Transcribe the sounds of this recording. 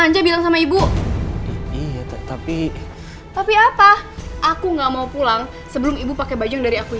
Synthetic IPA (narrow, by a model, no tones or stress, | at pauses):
aɲd͡ʒabilaŋsamaibu | ijat̪t̪api | t̪apiapaʔakuŋɡamaupulaŋ | səbəlʊmibupakebad͡ʒaŋdaɾiaku